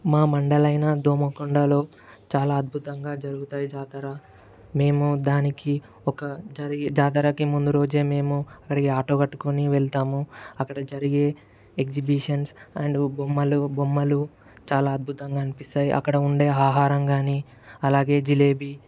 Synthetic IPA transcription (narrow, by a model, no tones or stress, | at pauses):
maːmɐɳɖɐlɐjnɐd̪oːmɐkoɳɖɐlo̞ː | t͡ʃaːlaːɐd̪̚bʱut̪ɐŋɡaːd͡ʒɐɾuɡut̪aːjid͡ʒaːt̪ɐɾa | me̞ːmud̪aːniki | ɔkɐd͡ʒɐɾiɡd͡ʒaːt̪̬ɐɾakimund̪uɾo̞ːd͡ʒe̞ːme̞ːmuɐkːɐɽɐkiaːʈoːkɐʈːu̥koniʋɛɭt̪aːmuɐkːɐɽɐd͡ʒɐɾiɡe̞ː | ekd͡ʒibiʂɐnsɐ̰ɳɖbomːɐlubomːɐlu | t͡ʃaːlaːɐd̪̚bʱut̪ɐŋɡaːnipist̪aːjḭʔɐ̰kːɐɽɐuɳɖe̞ːaːɦaːɾɐmɡaːniː | ɐlaːɡe̞ːd͡ʒile̞ːbi